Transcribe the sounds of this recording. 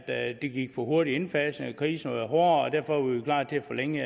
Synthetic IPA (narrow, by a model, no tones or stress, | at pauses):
d̥d̥e̝ɡ̥iɡ̥fɒɦo̝ɐɾienfɛsn̩kʰʁiːsn̩oɦɔːɐɒd̥æɐfɒʋiʋikʰlɑ̰̈ːd̚t͡sʰe̝æfɒ̽leŋ̰ə